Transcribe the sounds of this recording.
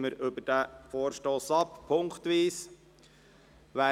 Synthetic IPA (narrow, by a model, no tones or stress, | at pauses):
məɾʏbəd̥æfoːɾʃtoːsɑppʰːʊŋkt̪ʋiːs | ʋæː